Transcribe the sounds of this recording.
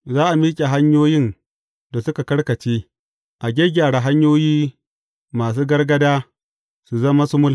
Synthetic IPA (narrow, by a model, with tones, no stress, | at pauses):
zaː˦ʔa˨miː˦kʲʼe˨ɦa˦ɲjoː˦jɪ˦n | da˨sʊ˦ka˨kɐ˦ɽkɐ˨t͡ʃeː˦ | ʔa˨ɡʲe˦ɡʲaː˨ɽa˨ɦa˦ɲjoː˦jiː˦ | maː˨s̬uː˦ɡɐ˦rɡɐ˦daː˦ | su˨zɐ˦ma˦sʊ˦mʊ˦l